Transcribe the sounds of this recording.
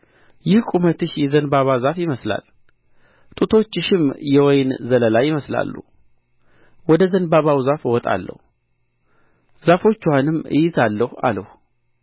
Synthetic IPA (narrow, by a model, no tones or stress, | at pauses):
jɪhkʼumət̪ɨʃjɛzənbaβazafjɪməsla̰l | t̪ʼut̪ʰo̞t͡ʃːɪʃɪmjɛwɔjnzələlajɪməsla̰lːṵ | wɔd̪əzənbaβawzafwɔt̪ʼa̰lːə̰hu | z̥afo̞t͡ʃːwanɨmːɨ̰jɪzalːəha̰ləh